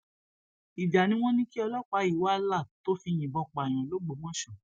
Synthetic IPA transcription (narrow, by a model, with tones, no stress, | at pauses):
i˨da˨nĩ˦w̃ɔ̃˦nĩ˦ki˦ɔ˧lɔ˦k͡pa˧i˨wa˦˧la˦˨to˦fi˧j̃ĩ˨bɔ˧k͡pa˨j̃ɔ̃˨lo˦ɡ͡bo˨˦mɔ̃˦ʃɔ˨